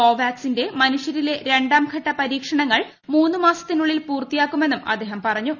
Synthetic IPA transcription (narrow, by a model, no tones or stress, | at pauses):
o̞ːʋaːksinde̞mɐnuʂjɐɾile̞ɾe̞ɳɖaːmkʰɐʈːɐpɐɾiːkʂɐɳɐŋːɐɭ | muːnːumaːsɐ̥t̪ːinuɭːilpuːrt̪ːijaːkːume̞nːumɐ̰d̪ːe̞ːɦɐmpɐrɐɲːu